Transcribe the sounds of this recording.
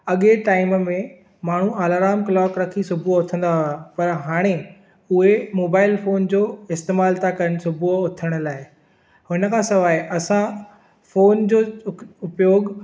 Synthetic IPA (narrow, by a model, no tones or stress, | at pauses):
ɐɠeʈaːɪmmẽ | maːɳ̤ũaːlaːɾaːmklɔːkɾɐkʰisʊbʱuʊt̪ʰə̃n̆d̪aɦʊapɐɾɦaːɽ̃e | ʊɦemoːbaːɪlfoːnd͡ʑoːɪst̪eːmaːlt̪ʰakɐɾəñ̆sʊbʱuʊt̪ʰəɽ̃ʊ̆laːɪ | hʊnə̆kʰãːsɐʋaːiʔɐsã | foːnd͡ʑoːʊpjoːɡ